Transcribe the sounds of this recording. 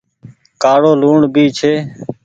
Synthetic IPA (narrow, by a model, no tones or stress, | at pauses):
kaːɽoːluːɳbiːt͡ʃʰeː